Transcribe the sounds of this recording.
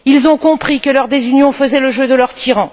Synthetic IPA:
ilzɔ̃kɔ̃pχikəlœʁd̪ezynjɔ̃fəzɛləʒød̪əlœʁt̪ʰiʁɑ̃

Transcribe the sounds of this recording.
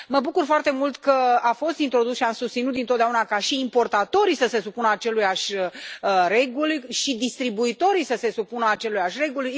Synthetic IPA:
məbukurfoart̪e̞mult̪kəafo̞st̪int̪ɾo̞d̪usʃiamsust̪sinut̪d̪inot̪d̪eaunakaʃiːmpo̞rt̪at̪o̞ɾisəse̞supunəat͡ʃe̞lujaʃʲəəɾe̞ɡulʃid̪ist̪ɾibuit̪o̞ɾisəse̞supunəat͡ʃe̞lujaʃʲre̞ɡul

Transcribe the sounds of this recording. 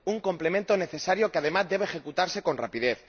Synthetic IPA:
uŋko̞mple̞ment̪o̞ne̞θe̞saɾjo̞keað̞e̞mazd̪e̞βeːxe̞kut̪aɾse̞ko̞nra̰piðe̞θ

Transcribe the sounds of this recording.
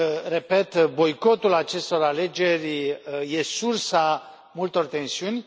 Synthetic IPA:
re̞pe̞t̪bo̞jko̞t̪ulat͡ʃe̞st̪o̞ɾale̞d͡ʒe̞rʲje̞sursa | mult̪o̞rt̪e̞nsiunʲ

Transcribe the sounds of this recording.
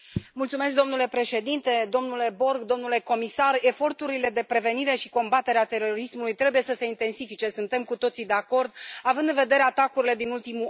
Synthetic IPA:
mult̪sume̞s̬k̚d̪o̞mnule̞pɾe̞ʃe̞d̪int̪e̞d̪o̞mnule̞bo̞rɡd̪o̞mnule̞ko̞misare̞fo̞rt̪uɾile̞d̪e̞pɾe̞ve̞niɾe̞ʃiko̞mbat̪e̞ɾeat̪e̞ɾo̞ɾismulujt̪ɾe̞buje̞səse̞int̪e̞nsifit͡ʃe̞sunt̪e̞mkut̪o̞t̪sid̪e̞ako̞rd̪avɨnd̪ɨnve̞d̪e̞ɾe̞at̪akuɾile̞d̪inult̪imu

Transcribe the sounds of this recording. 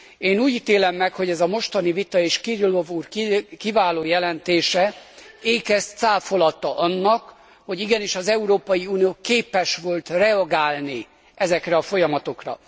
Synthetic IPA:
eːnuːɟiːt̪eːlɛmːɛkho̞ɟɛzɒmo̞ʃt̪ɒnivit̪ɒeːʃkirilo̞vuːrkivaːloːjɛlɛnt̪eːʃɛeːkɛst̪saːfo̞lɒt̪ːɒʔɒnːɒk | ho̞ɟiɡɛniʃɒzɛuɾoːpɒjiuːnijoːkeːpɛʃʋo̞lt̪rɛɒɡaːlni | ʔɛzɛkrɛɒfo̞jɒmɒt̪o̞krɒ̰

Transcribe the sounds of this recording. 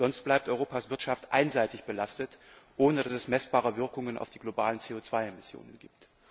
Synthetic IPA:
z̥ɔnst̚b̥laɪp̚tʔɔʏʁoːpasv̥ɪɐtʃaftʔa̰ɪnzaɪtɪçb̥əlastətʔoːnədasɛsmɛsb̥aːʁəvɪɐkʊŋənʔa̰ʊfd̥iːɡlobaːlənt͡seːoːt͡sv̥aɪemɪsjo̰ːnənɡḭːp̚t

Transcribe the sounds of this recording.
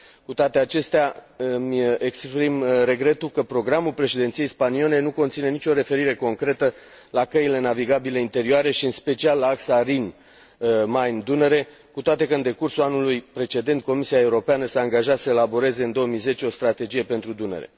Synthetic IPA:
kut̪oat̪e̞at͡ʃe̞st̪eamʲekspɾimɾe̞ɡɾe̞t̪ulkəpɾo̞ɡɾamulpɾe̞ʃed̪e̞nt̪sijejspaniole̞nuko̞nt̪sine̞nit͡ʃʲo̞ɾe̞fe̞ɾiɾe̞ko̞ŋkɾe̞t̪ə | lakəile̞naviɡabile̞int̪e̞ɾioaɾe̞ʃiɨnspe̞t͡ʃialːaaksaɾin | majnd̪uneɾe̞ | kut̪oat̪e̞kəɨnd̪e̞kursulanulujpɾe̞t͡ʃe̞d̪e̞nt̪̚ko̞misiae̞uɾo̞peanəsəaŋɡaʒat̪səelabo̞ɾe̞ze̞ɨnd̪o̞wəmijze̞t͡ʃeo̞st̪ɾat̪e̞d͡ʒije̞pe̞nt̪ɾud̪unḛɾe̞̰

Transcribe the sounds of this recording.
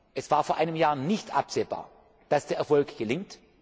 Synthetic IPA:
ʔɛsv̥aːɐfoːɐʔaɪnəmjaːnɪçtʔapz̥eːba̰ːɐ | d̥asd̥eːɐɛɐfɔlkɡ̥əlɪŋt

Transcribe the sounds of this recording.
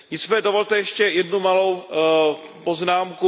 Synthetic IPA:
ɲɪt͡svɛdovolt̪ɛjɛʃcɛjɛdnumalo̞w | poznaːmku

